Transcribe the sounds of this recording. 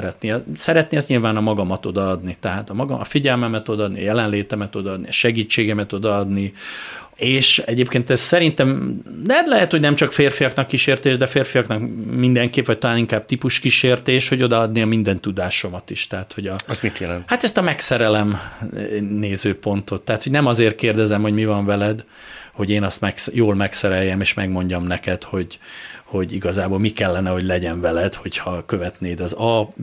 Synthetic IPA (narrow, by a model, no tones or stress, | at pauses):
ɾɛt̪niɛsɛɾɛt̪niɛzɲilvaːnɒmɒɡɒmɒt̪o̞d̪ɒɒd̪nit̪ɛɦaːt̪ɒmɒɡɒmɒfiɟɛlmɛmɛt̪o̞d̪ɒɒd̪niɒ̰jɛlɛnleːt̪ɛmɛt̪o̞d̪ɒɒd̪niɒʃɛɡiːt͡ʃːeːɡɛmɛt̪o̞d̪ɒɒd̪ni | eːʃɛɟeːpkeːnt̪ɛzsɛɾint̪ɛmlɛt̪lɛɦɛt̪ho̞ɟnɛmt͡ʃɒkfeːrfijɒknɒkːiʃeːrt̪eːʒd̪ɛfeːrfijɒknɒkmind̪ɛŋkeːpʋɒc̚t̪ɒlaːniŋkaːb̚t̪ipuʃkiʃeːrt̪eːʃho̞ɟo̞d̪ɒɒd̪niɒmind̪ɛnt̪ud̪aːʃo̞mɒt̪iʃt̪ɛɦat̪ho̞ɟɒsmit̪jɛlɛ̰nt̪hat̪ɛst̪ɒmɛksɛɾɛlɛm | neːzøːpo̞nt̪o̞t̪ːaɦːt̪honɛmɒzeːrt̪̚keːrd̪ɛzɛmhoɟmivɒɱvɛlɛd̪ | ho̞ɟeːnɒst̪mɛksjoːlmɛksɛɾɛjːɛmeːʃmɛɡmo̞ɲɟɒmnɛkɛt̪ho̞ɟho̞ɟiɡɒzaːboːlmikɛlːɛnɛho̞ɟlɛɟɛɱvɛlɛd̪ho̞chɒkø̞vɛt̪neːd̪ɒzɒ